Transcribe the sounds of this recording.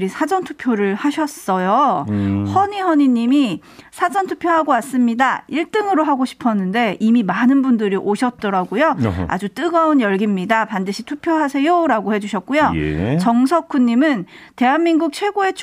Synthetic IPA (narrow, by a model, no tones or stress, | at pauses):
ɾisʰad͡ʑʌntʰu̥pʰjoɾɯɭhaɕʰʌs͈ʌjo | hʌɲihʌɲiɲimi | sʰad͡ʑʌntʰupʰjoɦaɡoas͈ɯmɲidaiɭt͈ɯŋɯɾoɦaɡoɕʰi̥pʰʌnːɯnde̞ʔimimanɯnbundɯɾiʔoɕʰʌt̚t͈ʌɾaɡojoa̰d͡ʑut͈ɯɡʌunjʌɭɡimɲidapandɯɕʰitʰupʰjoɦasʰe̞joɾaɡohe̞d͡ʑuɕʰʌt̚k͈ujo̰t͡ɕʌŋsʰʌk͈ʰːuɲːimɯnte̞ɦanmiŋɡuk̚t͡ɕʰwe̞ɡoe̞t͡ɕʰ